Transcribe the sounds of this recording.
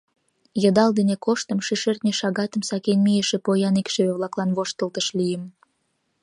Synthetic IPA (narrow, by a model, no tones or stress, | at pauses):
jə̆d̪ɑld̪enekoʃt̪ə̆mʃiʃert̪nʲeʃɑɣɑt̪əmsɑkenmijeʃĕpojɑnekʃeβeβlɑklɑnβoʃt̪əlt̪əʃlijəm